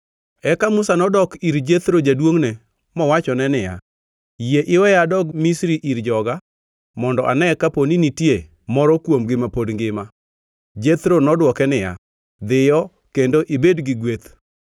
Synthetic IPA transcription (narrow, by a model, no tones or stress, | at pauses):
ɛkamʊsanɔdɔkiɾd͡ʒet̪ɾod͡ʒadwoŋnɛ | mɔwat͡ʃɔnɛnɪja̰ | jeʔɪwɛjadɔɡmisɾiʔiɾd͡ʒɔɡa | mɔndɔʔa̰nɛkaponinitje | mɔɾɔkwomɡɪmapodŋɡɪma | d͡ʒet̪ɾonɔdwɔkɛnɪja̰ | d̪ɪjɔ | kendoʔibedɡɪɡwet̪